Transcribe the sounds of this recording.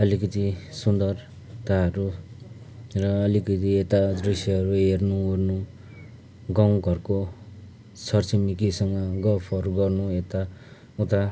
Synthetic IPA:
ʌlikʌt̪isund̪ʌr | t̪aɦʌɾu | rʌːlikʌt̪iet̪ad̪risiɦʌɾuernuurnu | ɡaw̃ɡʱʌrko | t͡sʰʌrt͡simikisʌŋɡʌɡʌpʰʌɾuɡʌrnuet̪a | ut̪a

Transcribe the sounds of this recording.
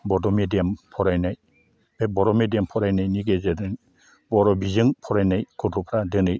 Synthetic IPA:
bɔdɔmedijampʰɔɾajnaj | bebɔɾɔmediampʰɔɾajnajniɡezedɯŋ | bɔɾɔbizɯŋpʰɔɾajnajkʰɔtʰupʰɾadɯnɯj

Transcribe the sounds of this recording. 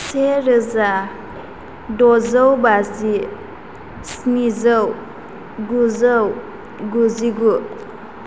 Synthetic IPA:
seɾɯza | dɔzəwbazi | snizəw | ɡuzəw | ɡuziɡu

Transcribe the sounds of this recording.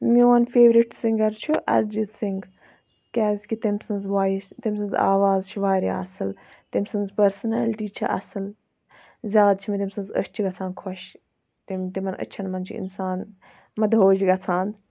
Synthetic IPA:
mʲiʋɐnfʰeːʋɾiʈsĩŋɡɐɾt͡ʃʰuʔɐ̰ɾd͡ʒizsiŋɡ | kʲaːzʲkit̪imsɐnzʋaːt̪imʲsɐnza̰ːʋaːzt͡ʃʰuʋaːɾḭɐsɨlt̪imʲsɐnzpɐɾsnɐlʈiːt͡ʃʰɐ̰ʔɐ̰sɨl | zʲjaːd̪̚t͡ʃʰimʲit̪imsɐnzə̰st͡ʃʰiɡɐt͡sʰaːnkʰoʃ | t̪imt̪imɐnə̰t͡ʃʰɐnmɐnt͡ʃʰṵḭnsaːn | mɐd̪ɦoːd͡ʒiɡɐt͡sʰãːnd̪

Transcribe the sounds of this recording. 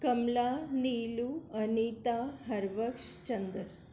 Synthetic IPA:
kɐmlaniluɐnit̪aɦɐɾʋəkʂt͡ɕənd̪əɾ

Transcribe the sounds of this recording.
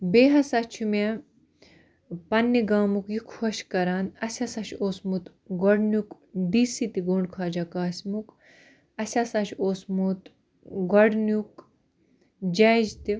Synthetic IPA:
beːɦɐsɐt͡ʃʰume | pɐnːiɡaːmukjukʰhɐʃkɐɾaːnɐsʲɐsɐʃoːsmut̪ | ɡɐɽnuk | d̪iːsit̪iɡoːɳɖkʰaːd͡ʒakaːsmuk | ɐsʲɐsɐʃʰoːsmut̪ | ɡɐɽnuk | d͡ʒɐːd͡ʒt̪i

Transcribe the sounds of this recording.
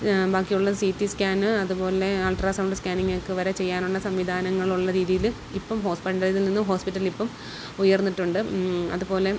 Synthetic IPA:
baːkːijuɭːɐsiːtːiskaːnɨɐðupo̞ːle̞aːlʈraːsɐwɳɖɨskʲaːniŋːɐkːɨʋɐɾɐt͡ɕe̞jːaːnuɭːɐsɐmʋid̪ʱaːnɐŋːɐɭuɭːɐɾiːðijil | ipːɐmɦo̞ːspiʈːɐlililninːumɦo̞ːspiʈːɐlilipːɐm | ujɐrnːiʈːuɳɖɨɐ̰ðupo̞ːle̞

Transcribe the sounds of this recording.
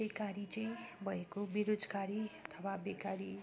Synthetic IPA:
ekaɾit͡sʌj̃bʱʌekobiɾod͡zɡaɾiʌt̪ʰʌbabekaɾi

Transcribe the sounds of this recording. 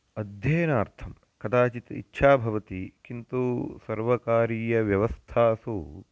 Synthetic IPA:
ɐd̪ʱjeːnaːɾt̪ʰɐm | kɐt̪ʰaːt͡ʃit̪ḭtːʃʰaːbʱɐʋɐt̪ikint̪usɐɾʋɐkaːɾiːjɐʋjɐʋɐst̪ʰaːsu

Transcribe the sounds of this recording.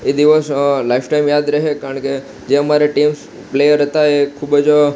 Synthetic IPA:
ed̪iʋəslaifʰʈaimjad̪ɾəɦekaɾəɳke | d͡ʒeəmaɾeʈims | plejəɾɦət̪aekʰubəd͡ʒ

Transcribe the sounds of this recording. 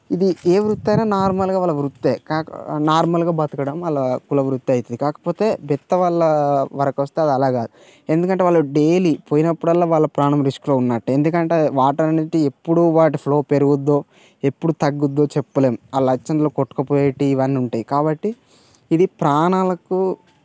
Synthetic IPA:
id̪ieːʋɾut̪ːɐjnaːnaːɾmɐlɡaːʋaːlːɐʋɾut̪ːeːkaːnaːɾmɐlɡaːbɐt̪ukɐɽɐmɐlːɐkulɐʋɾut̪ːiɐjit̪ɐd̪ikaːkɐ̥po̞ːt̪e̞ːbɛt̪ːɐʋaːɭːɐʋɐɾɐkʋɐst̪eɐd̪iɐlaːɡaːd̪u | e̞nd̪ukɐɳʈeːʋaːɭːɐɖe̞ːlipoːjinɐpːuɽɐlːaːʋaːɭːɐpɾaːɳɐmɾisklo̞ːunːaːʈːuend̪ukɐɳʈeːʋaːʈɐɾɐniʈie̞pːuɽuʋaːʈ̬ipʰlo̞ːpe̞ɾuɡud̪ːo̞ː | e̞pːuɽut̪ɐɡːud̪ːo̞ːt͡ʃe̞pːule̞ːmɐlɐɐt͡ʃːɐnd̪ɐloːkɔʈːu̥kɐpoːʈiːʋɐnːiuɳʈaːjikaːbɐʈːiː | d̪ipɾaːɳaːlɐku

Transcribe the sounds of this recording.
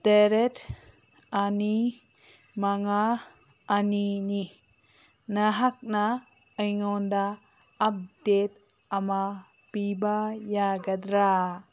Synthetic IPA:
t̪eɾet | ani | maŋaː | nini | naɦak̚na | əjŋɔndaː | p̚det̪̚ | ama | pibajaɡad̪ɾa

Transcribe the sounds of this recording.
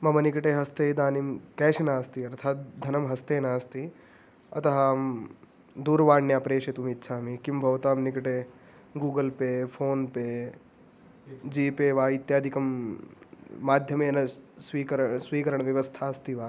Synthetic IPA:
mɐmɐnikɐʈeːɦɐst̪eːd̪aːnimkɛːʃɐnaːst̪iɐɾt̪ʰaːt̪̚d̪ʱːɐnɐmɦɐst̪eːnaːst̪i | ɐ̰t̪ɐɦaːm | d̪uːɾʋaːɳjaːpɾeːʃet̪umiːt̪ːʃʰaːmikimbʱɐʋt̪aːmnikɐʈe | ɡuːɡɐlpepʰoːnpe | d͡ʒiːpeːʋaːit̪jaːd̪ʱikɐm | aːd̪ʱjɐmeːnɐsʋiːkɐɾsʋiːkɐɾɐɳ̃ʋjɐʋɐst̪ʰaːɐst̪iʋaː

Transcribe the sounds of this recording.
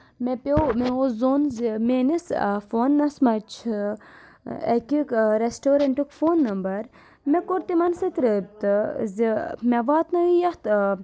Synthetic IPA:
mepemeozoːnzimenisfoːnːɐsmɐt͡ʃʰ | ḛkikɾesʈoːɾɐɳʈikfoːnːɐmbɐɾ | mekoɾt̪imɐnsɐt̪ɾəb̚t̪ɨzimeʋaːt̪nɐijɐht̪

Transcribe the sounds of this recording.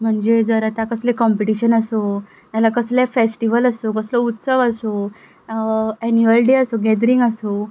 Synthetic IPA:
m̤əɳd͡ʑed͡zəɾat̪akəslekɔmpiʈiɕənəso | t̪jalakəslefesʈiʋələsokəslɔut̪səʋəso | ɛnjuəlɖeəsoɡɛd̪ɾiŋɡəso

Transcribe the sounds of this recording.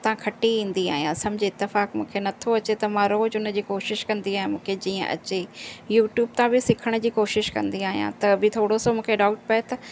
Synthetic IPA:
t̪ɐɦãkʰɐʈiĩːn̆d̪ia̰ːɦijãsɐmɪd͡ʑʱiɪt̪ːɪfaːkmṵ̃ːkʰenɐt̪ʰoɐt͡ɕet̪ɐmãɾoːd͡ʑʊnə̆d͡ʑiːkoːʃɪʃkɐ̃nd̪iaːɦɪ̃mũːkʰed͡ʑiːə̰̃ʔɐ̰t͡ɕejuːʈjuːb̚t̪ãbɪsɪkʰəɽ̃d͡ʑiːkoːʃɪʃkɐ̰̃nd̪iaːɦijã̰t̪ɐbɪt̪ʰoːɽosomũːkʰeɖaːʊʈ̚pɐet̪ɐ

